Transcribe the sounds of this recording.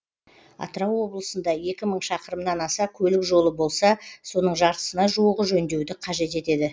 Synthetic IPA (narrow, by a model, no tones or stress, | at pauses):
ɑ̰t̪əɾɑwːo̞blˠəsənd̪ɑje̞kʲɪməɴʃɑqəɾəmnɑnɑsɑkʲʰɵlɪkʒo̞lˠəbo̞lˠsɑso̞nəɴʒɑɾt̪ə̥sənɑʒuwəʁəʒɵnd̪e̞wd̪ɪqʰɑʒe̞t̪e̞t̪e̞d̪ɪ